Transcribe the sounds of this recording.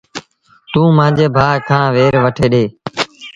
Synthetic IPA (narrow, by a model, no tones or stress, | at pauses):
t̪ũːmãːd͡ʒeːbʱaːɦkʰãːʋeːɾʋəʈʰeːɗeː